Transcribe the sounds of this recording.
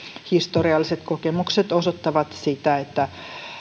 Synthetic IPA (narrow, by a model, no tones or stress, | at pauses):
hist̪oriɑlːiset̪kokemukset̪osot̪ːɑʋɑt̪sit̪æet̪ːæ